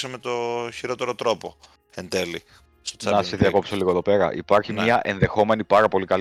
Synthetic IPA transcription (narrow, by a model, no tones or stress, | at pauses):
semet̪oçiɾo̞t̪e̞ɾot̪ɾo̞po̞ | end̪eli | st̪ot͡sɐnɐseðiɐko̞psoliɣoðo̞pe̞ɾɐ̰ʔḭpɐɾçimɲɐʔe̞nðe̞xo̞me̞nipɐɾɐpo̞likɐl